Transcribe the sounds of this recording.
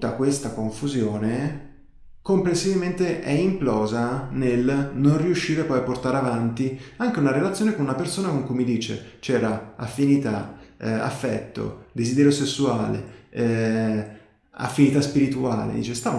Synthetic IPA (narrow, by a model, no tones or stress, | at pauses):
akwest̪akoɱfuzjoːne | komplensivilment̪eʔɛimplɔːzanelnonriuʃːiːɾeapɔjapːort̪aːɾeavant̪iaŋk̟eunaɾelat̪sjoːnekonunapersoːnakoŋkujmid̪iːt͡ʃḛt͡ʃɛːɾaafːinit̪aa̰fːɛt̪ːo̰d̪ezid̪ɛːɾjosesːuaːlḛ | a̰fːinit̪aspiɾit̪uaːlḛd̪ḭːt͡ʃest̪aːv